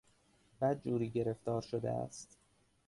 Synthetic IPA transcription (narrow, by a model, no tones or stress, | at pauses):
b̥æd̪̚d͡ʒuːɾiːɟe̞ɾe̞ft̪ɒːɾʃod̪ḛæ̰st̪